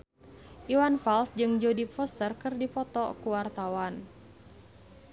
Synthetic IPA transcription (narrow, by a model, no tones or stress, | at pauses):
ʔiwanfalsd͡ʒɨŋd͡ʒodipfɔst̪ərkɨrdipɔt̪ɔ̰kuwart̪awan